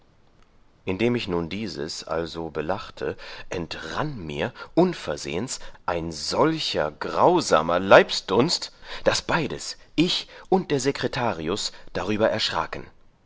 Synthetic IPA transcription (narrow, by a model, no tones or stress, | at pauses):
ʔɪndeːmɪçnuːndiːzə̰sʔa̰lzobəlaχtʰəʔɛntʁanmiːɐʔʊnfɛɐzḛːənsʔaɪnzɔlçɐɡʁaʊza̰ːmɐlaɪpsd̥ʊnstd̥asb̥aɪdəsʔɪçʔʊnt̚d̥eːɐzekʁ̥etʰaːʁiʊsd̥aʁ̞yːbɐʔɛɐʃʁ̥a̰ːkn̩